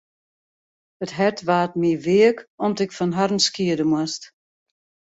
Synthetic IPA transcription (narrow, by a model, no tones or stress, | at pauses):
ətɦɛtʋaːt̚miʋiəkɔmtɪkfɔnɦarmskiədəmwast